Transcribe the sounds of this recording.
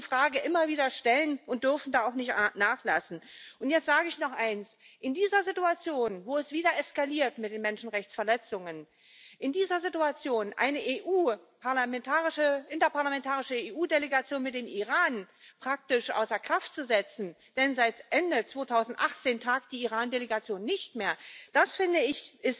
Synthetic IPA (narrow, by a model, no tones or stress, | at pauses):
fʁ̥aːɡəʔɪmɐviːdɐʃtɛlənʊnt̚d̥ʏɐfn̩daːaʊxnɪçtnaːχla̰sn̩ʔʊntjɛt͡stz̥aːɡəɪçnɔχʔaɪns | ʔɪndiːzɐzɪtuat͡sjoːnvoːɛsv̥iːdɐʔɛskaliːɐtmɪtd̥eːnmɛnʃn̩ʁɛçt͡sfɛɐlɛt͡sʊŋən | ʔɪndiːzɐzɪtuat͡sjoːnʔa̰ɪnəʔeʔuːpaɐlamɛntʰaːʁɪʃəʔɪntɐpaɐlamɛntʰaːʁɪʃəeːʔuːdeleɡat͡sjoːnmɪt̚d̥eːmiʁaːn | pʁ̥ak̚tɪʃʔa̰ʊsɐɐkʁ̥aftt͡suzɛt͡sn̩ | d̥ɛnzaɪtʔɛndət͡sv̥oːtʰaʊzn̩tʔaχt͡seːntʰaːk̚d̥iːiʁaːndeleɡat͡sjoːnːɪçtmeːɐd̥asfɪndəɪçɪst